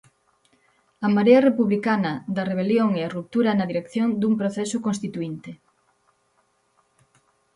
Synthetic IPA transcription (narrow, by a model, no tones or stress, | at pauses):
ɐmaɾeɐrepuβlikanɐd̪ɐreβ̞eljoŋeɐrup̚t̪uɾɐnɐðiɾekθjond̪umpɾoθɛsʊkonst̪it̪uint̪e